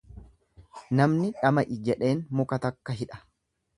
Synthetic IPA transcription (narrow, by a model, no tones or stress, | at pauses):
nɐmnɪᶑɐmɐʔɪd͡ʒɛᶑe̞ːnmʊkɐt̪ɐkːɐɦɪᶑɐ̥